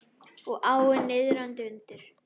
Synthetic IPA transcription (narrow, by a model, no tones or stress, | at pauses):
ɔɣʔaːwɪnːɪðɾant̪ɪʏnt̪ɪɾ̥